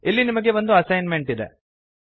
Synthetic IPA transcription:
ilːinimɐɡe̞ʋond̪uɐsɐjnme̞ɳʈid̪e̞̰

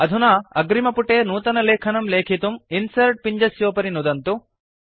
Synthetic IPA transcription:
ɐd̪ʱunaɐɡɾimɐpuʈeːnuːt̪ɐnɐleːkʰɐnɐmleːkʰit̪uminsɐɾʈ̚piɲd͡ʒɐsjoːpɐɾinud̪ɐnt̪u

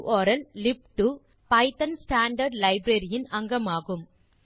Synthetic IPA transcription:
ʔɔːɾɐllɪpʈɯ | pɐɪt̪ɐnsʈaːɳɖɐɾɖlɐɪbɾɐɾɪjɪnɐŋɡɐmaːɣɯm

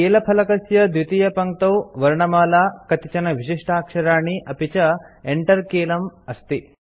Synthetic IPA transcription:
keːlɐpʰɐlɐkɐsjɐd̪ʋit̪ijɐpɐŋk̚t̪ɐwʋɐɾɳɐmaːlaːkɐt̪it͡ʃɐnɐʋiʃiʂʈʰaːkʂɐɾaːɳiʔɐpit͡ʃɐeɳʈɐɾkeːlɐmɐst̪i

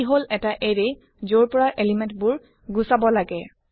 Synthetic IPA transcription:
iɦolɛtaʔeɹe | zoɹpɔɹaʔelimɛ̃ntbʊɹ | ɡusabɔlaɡɛ

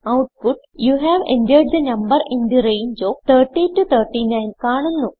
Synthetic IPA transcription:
ɐwʈ̚puɖ̚ | juɦæʋḛ̃ndeːɖ̚d̪ɐnɐmbɐɾĩnd̪iɾejnd͡ʒoːt̪ʰɐrʈːitːut̪ʰɐrʈːinɐjnkaːɳunːu

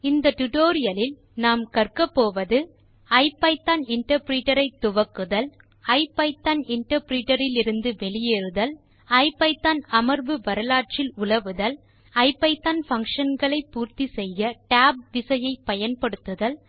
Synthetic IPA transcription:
ɪnd̪ɐʈʊʈoːɾɪjɐlɪl | naːmkɐrkɐpːoːʋɐðɯ | ɐɪpːɐɪpt̪ːaːnɪɳʈɐɾpɾiːʈɐɾɐɪt̪ːʊʋɐkːɯðɐl | ɐɪpːɐɪt̪ːaːnɪɳʈɐɾpɾiːʈɐɾɪlɪɾɯnd̪ɯʋɛɭɪjeːɾɯðɐl | ɐɪp̪ːɐɪt̪ːaːnɐmɐɾbɯʋɐɾɐlaːʈ̚t͡ʃɪlʊɭɐʋɯðɐl | ɐɪpːɐɪt̪ːaːnfɐŋkʂɐnɡɐɭɐɪpːuːɾt̪isɛjːɐʈaːb̚d̪ɪsɐjɐɪpːɐjɐnpɐɽɯt̪ːɯðɐl

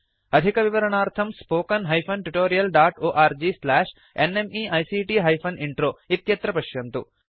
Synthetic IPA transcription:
ɐd̪ʱikɐʋiʋɐɾɐɳaːɾt̪ʰɐmspoːkɐnɦɐjpʰɐnʈuʈoːɾijɐlɖaːʈoːʔaːɾd͡ʒislaːʂ | enemiːʔɐjsiːʈiːɦɐjpʰɐniɳʈɾoːit̪jɐt̪ɾɐpɐʃjɐnt̪ṵ

